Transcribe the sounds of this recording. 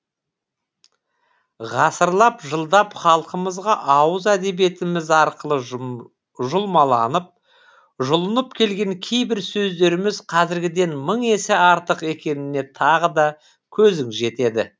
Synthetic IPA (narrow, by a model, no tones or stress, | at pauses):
ʁɑsəɾlˠɑpʒəlˠd̪ɑpχɑlˠqəməzʁɑʔɑwəzæd̪e̞bje̞t̪ɪmɪzɑɾqəlˠə | ʒʊlˠmɑlˠɑnəp̚ | ʒʊlˠənəpkʲʰe̞lɡʲe̞ŋkʲʰe̞jbɪɾsɵzd̪e̞ɾɪmɪzqʰɑzɪɾɡʲɪd̪e̞nməɴe̞sɪɑɾt̪əqe̞kʲe̞nɪne̞t̪ʰɑʁəd̪ɑ | kʲʰɵzɪŋʒe̞t̪e̞d̪ɪ